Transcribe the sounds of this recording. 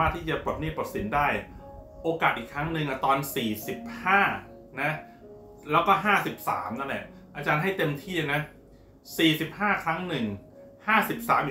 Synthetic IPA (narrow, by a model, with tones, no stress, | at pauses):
aː˥˩t̪ʰiː˥˩t͡ɕa˨˩po˨˩t̪̚ni˥˩pa˨˩t̪̚si˩˦ndaː˥˩j | ʔoː˧kaː˨˩t̪̚ʔiː˨˩kʰːɾa˦˥ŋnɯ˧ŋʔa˧˩t̪ɔː˧nsiː˨˩si˨˩p̚haː˥˩ | na˦˥ | lɛː˦˥wkɔː˥˩ɦaː˥˩si˨˩p̚sa̰ː˩˦mna˥˩lɛ˨˩ʔ | ʔaː˧t͡ɕaː˧nɦa˥˩jt̪e˧mt̪ʰiː˥˩a˧˩na˦˥ | siː˨˩si˨˩p̚haː˥˩kʰɾa˦˥ŋnɯ˨˩ŋhaː˥˩si˨˩p̚sa̰ː˩˦mʔi˨